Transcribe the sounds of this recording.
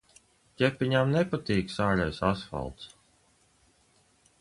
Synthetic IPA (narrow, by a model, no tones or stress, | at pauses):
cʲɛpːiɲamnɛpat̪iːksaːlʲajsasfa̰lˠt̪s